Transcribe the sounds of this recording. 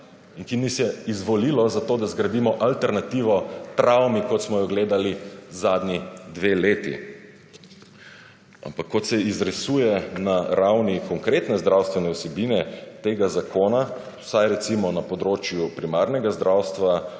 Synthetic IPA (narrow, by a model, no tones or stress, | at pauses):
iŋkinisjɛizʋɔlilɔzat̪oːd̪azɡɾad̪imɔʔalt̪ɛɾnat̪iʋɔt̪ɾawmikɔt̪smɔjɔɡleːd̪alizad̪nʲid̪ʋeleːt̪ḭ | a̰mpakːɔt̪sɛizɾɛsujɛnaɾawnikɔŋkɾet̪nɛzd̪ɾawst̪ʋɛnɛwsɛbiːnɛt̪eɡazakoːnḁ | sajɾɛt̪simɔnapɔd̪ɾoːt͡ʃjupɾimaɾnɛɡazd̪ɾawst̪ʋa